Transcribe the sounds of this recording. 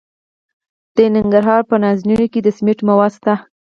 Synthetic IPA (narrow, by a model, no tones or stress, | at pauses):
d̪̥ənɪŋɡaɾɦɑɾpənɑznunoked̪əsmeʈmawɑd̪st̪a